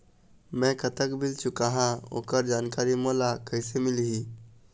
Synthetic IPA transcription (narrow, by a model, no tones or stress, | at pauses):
mɛ̃kət̪əkbɪlt͡ʃʊkaɦão̰ːkəɾd͡ʒaːnkaːɾimoːlakəɪsemɪlɦi